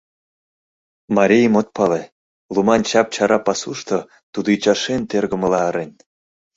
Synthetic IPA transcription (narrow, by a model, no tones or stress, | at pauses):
mɑɾʲijmot̪̚pɑle | lˠumɑnt͡ɕɑp̚t͡ɕɑɾɑpɑsuʃt̪o | t̪ud̪ot͡ɕɑʃent̪erɣə̆mə̆lɑːɾenʲ